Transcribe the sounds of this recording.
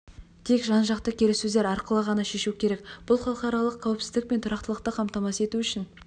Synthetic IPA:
t̪ʰe̞kʒɑnʒɑqt̪əkʲʰe̞ɾesɵzd̪eɾɑɾqəlˠəʁɑnɑʃe̞ʃukʲʰe̞ɾe̞kb̥ʊlˠχɑlˠəqɑɾɑlˠəqʰːæwɪpsɪzd̪ɪk̚pe̞nt̪ʰʊɾɑqt̪əlˠəqt̪əqʰɑmt̪ɑmɑse̞t̪uʏʃɪn

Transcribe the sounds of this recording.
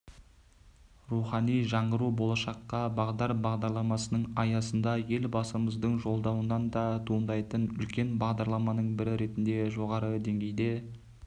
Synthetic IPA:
ruχɑnijʒɑɴʁəɾubo̞lˠɑʃɑqːɑbɑʁd̪ɑɾbɑʁd̪ɑɾlˠɑmɑsənəɴɑjɑsənd̪ɑje̞lbɑsəməzd̪əɴʒo̞lˠd̪ɑwənɑnd̪ɑt̪ʰuənd̪ɑjt̪ənʏlkʲe̞nbɑʁd̪ɑɾlˠɑmɑnəɴbɪɾɪɾe̞t̪ɪnd̪e̞ʒo̞ʁɑɾəd̪e̞ŋɡʲejd̪e̞

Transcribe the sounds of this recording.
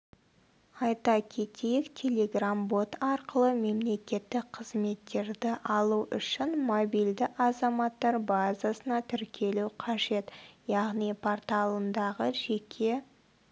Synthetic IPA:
ɑjt̪ɑkʲʰe̞t̪ʰejɪkt̪ʲʰe̞lʲe̞ɡrambo̞t̪ɑɾqəlˠəme̞mle̞kʲe̞t̪ːɪk̚qʰəzme̞t̪ːe̞ɾd̪ɪʔɑlˠuʔʏ̰ʃɪnmobijld̪ɪʔɑzɑmɑt̪ːɑɾbazasənɑt̪ʰʏɾkʲʰe̞luqʰɑʒe̞t̪jɑʁnipʰort̪alˠənd̪ɑʁəʒe̞kʲʰe̞

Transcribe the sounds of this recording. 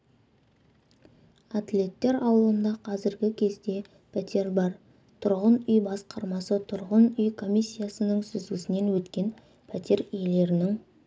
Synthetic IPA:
at̪lʲe̞t̪ːe̞ɾɑwəlˠənd̪ɑqʰɑzɪɾɡʲɪkʲʰe̞zd̪e̞ | pʰæt̪ʰe̞ɾbɑɾ | t̪ʰʊɾʁənʏjbɑsqɑɾmɑsət̪ʰʊɾʁənʏjkʰo̞mʲijsʲːijasənəɴsʏzɡʲɪsɪnenwɵt̪kʲe̞n | pʰæt̪ʰe̞ɾijele̞ɾɪnɪŋ

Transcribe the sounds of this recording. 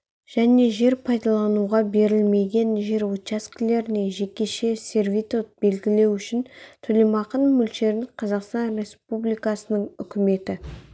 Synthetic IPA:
ʒ̥æne̞ʒe̞ɾpʰɑjd̪ɑlˠɑnuʁɑbe̞ɾɪlme̞ɡʲe̞nʒe̞ɾwot̪t͡ʃaskʲɪle̞ɾɪne̞ʒe̞kʲːe̞ʃe̞sʲe̞ɾvijt̪ot̪̚be̞lɡʲɪle̞wʏʃɪnt̪ʰɵle̞mɑqənmʏlʃe̞ɾɪŋqʰɑzɑqst̪ɑnrʲe̞spublijkɑsənəɴʏkʲɪme̞t̪ɪ

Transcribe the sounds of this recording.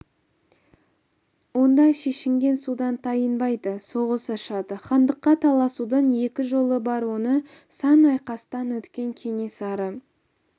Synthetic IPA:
wo̞nd̪ɑʃe̞ʃɪŋɡʲe̞nsud̪ɑnt̪ʰɑjənbɑjd̪əso̞ʁəsɑʃɑd̪əχɑnd̪əqːɑt̪ʰɑlˠɑsud̪ɑne̞kʲɪʒo̞lˠəbɑɾwo̞nə | sɑnɑjqɑst̪ɑnwɵt̪kʲe̞ŋkʲʰe̞ŋe̞sɑɾə

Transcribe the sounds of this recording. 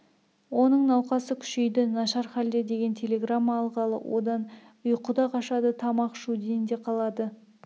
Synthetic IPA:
wo̞nəɴnɑwqɑsəkʲʰʏ̥ʃe̞jd̪ɪnɑʃɑɾχæld̪e̞d̪e̞ɡʲe̞nt̪ʲʰelʲe̞ɡramːɑːlˠʁɑlˠə̰wʔo̞̰d̪ɑn | ʊjqʰʊd̪ɑqɑʃɑd̪ət̪ʰɑmɑqʃud̪ejɪnd̪e̞qʰɑlˠɑd̪ə

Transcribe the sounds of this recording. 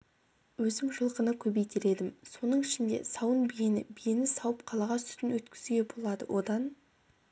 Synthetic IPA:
wɵzɪmʒəlˠqənəkʲʰɵbejt̪eɾe̞d̪ɪmso̞nəɴɪʃɪnd̪e̞̰sɑwənbijenɪbijenɪsɑwəpqʰɑlˠɑʁɑst̪ʰʏ̥t̪ɪnwɵt̪kʲɪ̥zyɡʲe̞bo̞lˠɑd̪ə̰wʔo̞d̪ɑn

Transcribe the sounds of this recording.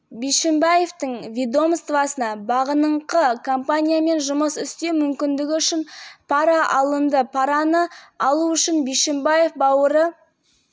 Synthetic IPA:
bijʃɪmbaje̞ft̪əŋvʲid̪o̞mst̪vɑsənɑbɑʁənəɴqəkʰompanʲijame̞nʒʊməsʏst̪emʏmkʲɪnd̪ɪɡʲɪʏʃɪnpʰɑɾɑʔɑlˠənd̪əpʰɑɾɑnəɑlˠuʏʃɪnbijʃɪmbaje̞fbɑwəɾə

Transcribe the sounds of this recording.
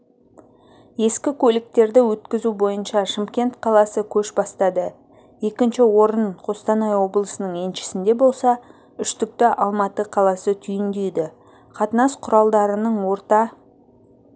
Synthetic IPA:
je̞skʲɪkʲʰɵlɪk̚t̪e̞ɾd̪ɪwɵt̪kʲɪzubo̞jənʃɑʃɪmkʲe̞nt̪qʰɑlˠɑsəkʲʰɵʃbɑst̪ɑd̪ə | je̞kʲɪnʃɪwo̞ɾənqʰost̪ɑnɑjwo̞blˠəsənəɴe̞nʃɪ̥sɪnd̪e̞bo̞lˠsɑ | ʏʃt̪ʏk̚t̪ɪʔɑlˠmɑt̪əqʰɑlˠɑsət̪ʰʏjɪnd̪ejd̪ɪ | qʰɑt̪ənɑsqʰʊɾɑlˠd̪ɑɾənəɴwo̞ɾt̪ɑ

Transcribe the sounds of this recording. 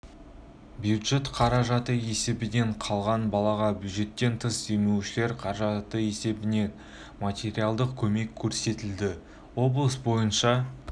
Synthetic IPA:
bjud̪ʒe̞t̪qʰɑɾɑʒɑt̪əe̞se̞bɪne̞ɴqʰɑlˠʁɑnbɑlˠɑʁɑbjud̪ʒe̞t̪ːe̞nt̪ʰəsd̪emewʃɪleɾqʰɑɾʒɑt̪əe̞se̞bɪne̞ | mat̪ʲe̞ɾialˠd̪əqkʲʰɵme̞kʲʰːɵɾse̞t̪ɪld̪ɪ | wo̞blˠəsbo̞jənʃɑ

